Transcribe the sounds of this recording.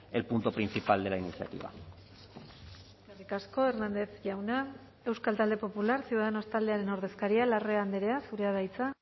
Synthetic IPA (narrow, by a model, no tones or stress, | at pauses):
elpunt̪opɾinθipald̪e̞lainiθja̰t̪ḭβa̰ | eerikasko̞e̞ɾnand̪eθʝawna | e̞wskalt̪ald̪e̞po̞pulaɾsiuðaðenost̪ald̪e̞aɾe̞no̞ɾðe̞skaɾialare̞and̪eɾe̞asuɾe̞aβajt͡sa